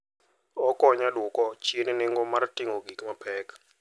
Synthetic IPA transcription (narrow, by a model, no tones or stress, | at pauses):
ɔkʼɔɲalukʼɔt͡ʃʰʼiɛninɛŋɡɔmartʼiŋoɡikʼimapʰɛːkʼḁ